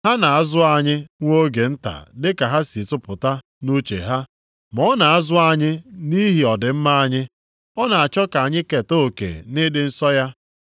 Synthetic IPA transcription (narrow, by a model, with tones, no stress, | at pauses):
ha˦na˨a˦zʊ˦a˨ɲɪ˦ŋʷo˦ɡe˨n̩˦ta̰˨dɪ˦ka˨ɦa˦si˨tʊ˦pʊ˨ta˦ | nu˦t͡ʃḛ˨ɦa˦ | mɔ˦na˨a˦zʊ˦a˨ɲɪ˦ni˦ɦi˨ɔ˨dɪ˨m̩˦ma˦a˦ɲɪ˦ | ɔ˦na˨a˨t͡ʃɔ˦ka˨a˨ɲɪ˦ke˨to˦˨kḛ˨nɪ˦dɪ˦n̩˦sɔ˦ja˦